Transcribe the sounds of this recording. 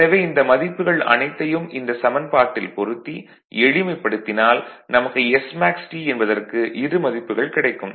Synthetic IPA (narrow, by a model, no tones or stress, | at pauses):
ɐʋeːɪnd̪ɐmɐðɪpːɯɣɐɭɐ̰nɐɪt̪ːɐjɯmɪnd̪ɐsɐmɐnpaːʈːɪlpɔɾɯt̪ːi | ɛɻɪmɐɪpːɐɽɯt̪ːɪnaːlnɐmɐkːɯɛsmaːksʈiɛnbɐðɐrkɯʔɪɾɯmɐðɪpːɯɣɐɭkɪɽɐɪkːɯm